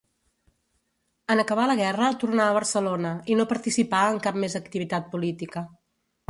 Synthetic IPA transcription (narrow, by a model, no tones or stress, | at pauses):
ənəkəβ̞aləɣ̞ɛrət̪urnaəβərsəlonəinopəɾt̪isipaəŋkap̚mezək̚t̪iβit̪at̪̚pulit̪ikə